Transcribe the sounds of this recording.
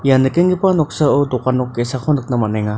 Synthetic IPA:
janɯkeŋɡipanɔk̚saɯdɔkanɔkːesakʰɔnɯk̚namanajŋa

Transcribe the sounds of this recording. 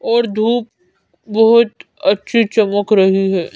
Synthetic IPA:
ɔːɾd̪ʱuːp̚ | bɐɦʊt̪ | ɐtːʃʰit͡ʃɐməkʰɾɐɦiɦɛː

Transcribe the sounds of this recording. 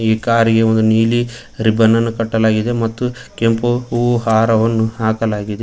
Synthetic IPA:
iːkaːɾiɡeond̪uniːli | ɾibʱɐnːɐnːukɐʈːɐlaːɡid̪emɐt̪ːukempuuːɦaːɾɐʋɐnːuɦaːkɐlaːɡid̪e

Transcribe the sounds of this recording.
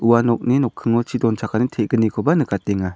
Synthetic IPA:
uwanɔk̚ninɔkʰːɯŋɔt͡ʃʰidɔnt͡ʃʰakʰanitʰɛʔ̚ɡ̥ənikʰɔbanɯkat̚ɛŋa

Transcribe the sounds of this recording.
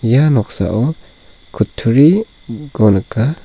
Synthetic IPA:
janɔksa̰ʔɔ | kʰut̪ʰːuɾi | ɡɔnka

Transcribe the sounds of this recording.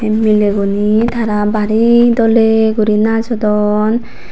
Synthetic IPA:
emileɡunit̪ʰaɾabaɾid̪ɔleɡuɾinad͡ʒɔd̪ɔn

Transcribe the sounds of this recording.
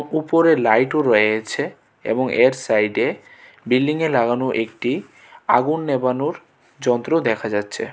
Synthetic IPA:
upoɾelajʈoɾɔeet͡ɕʰe | ḛboŋʔeɾsajɖe | bilːiŋelaɡanoʔekʈi | aɡunːebanoɾ | d͡ʑɔnt̪ɾod̪ɛkʰad͡ʑatːɕʰe

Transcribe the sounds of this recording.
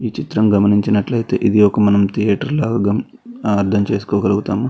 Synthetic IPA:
iːt͡ʃit̪ɾɐmɡɐmɐniɲt͡ʃinɐʈlɐjt̪e̞̰ːʔid̪iɔkɐmɐnɐmt̪ʰijaːʈɐɾlaːɡɐɡɐː | ɾd̪ʰɐmt͡ʃe̞ːsu̥kɔːɡɐluɡut̪aːmu

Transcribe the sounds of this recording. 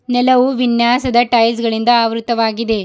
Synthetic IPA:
nɛlɐʋuʋinjaːsɐd̪ɐʈɐjlsɡɐɭind̪ɐaːʋɾut̪ɐʋaːɡid̪e̞

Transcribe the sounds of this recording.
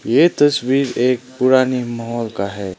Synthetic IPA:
jet̪ɐswiɾeːk̚pʊɾaːnimɐɦɔːlkaɦɛ

